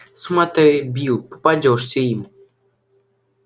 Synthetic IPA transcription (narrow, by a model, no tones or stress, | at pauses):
smat̪ɛjbʲilˠpɨ̥padʲɔʂsʲeim